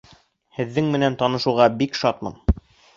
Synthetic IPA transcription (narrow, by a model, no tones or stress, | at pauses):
hɘ̆ðːɘŋmɘ̆nænt̪ɑnɤ̆ʃŭʁɑbikʃɑt̪mɤ̰n